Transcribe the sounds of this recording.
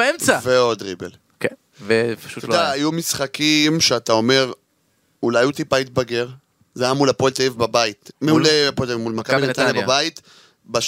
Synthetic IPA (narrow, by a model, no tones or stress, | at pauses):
emt͡saveo̞d̪ʁibḛl | ke | vepḁʃutdaːjumisχakimʃeat̪ao̞me̞ʁ | ulajut̪ipait̪̚baɡe̞ʁ | zajamulapoelt̪aivbabait̪meulapoelt̪aimulmakaabnat̪anjababait̪ | ba